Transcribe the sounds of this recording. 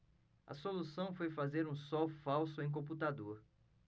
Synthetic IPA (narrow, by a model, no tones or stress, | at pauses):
ɐ̰solusɐ̃w̃fojfazeɾũsɔwfawsʊẽj̃k̬õp̬ut̪ad̪oɾ